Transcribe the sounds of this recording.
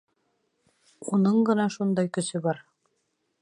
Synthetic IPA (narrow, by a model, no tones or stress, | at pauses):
unɤɴɢɤ̆nɑʃund̪ɑjkɵ̆sɵbɑɾ